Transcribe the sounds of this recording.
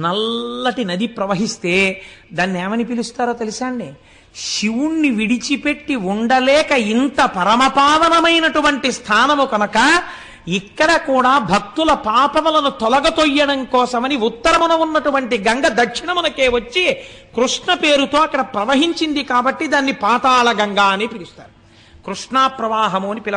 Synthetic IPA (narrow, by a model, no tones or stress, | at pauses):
nɐlːɐʈinɐd̪ipɾɐʋɐɦist̪e̞ːd̪aːnːieːmɐnipilust̪aːɾoːt̪elisaːɳɖi | ʃiwunːiʋiɽit͡ʃipe̞ʈːiuɳɖɐlɛːkɐint̪ɐpɐɾɐmɐpaːʋɐnɐmɐjnɐʈuʋɐɳʈist̪ʰaːnɐmukɐnɐkɐ | ikːɐɽɐkuːɽaːbʱɐk̚t̪ulɐpaːpɐmulɐnut̪ɔlɐɡɐt̪ojːɐɽɐŋkɔːsɐmɐniut̪ːɐɾɐmɐnɐunːɐʈuʋɐɳʈiɡɐŋɡɐd̪ɐkʂiɳɐmunɐke̞ːʋɐt͡ʃːi | kɾuʂɳɐpeːɾut̪o̞ːɐkːɐɽɐpɾɐʋɐɦiɲt͡ʃind̪ikaːbɐʈːid̪aːnːipaːt̪aːɭɐɡɐŋɡaːneːpiɾist̪aːɾu | kɾuʂɳaːpɾɐʋaːɦɐmoːnipilɐ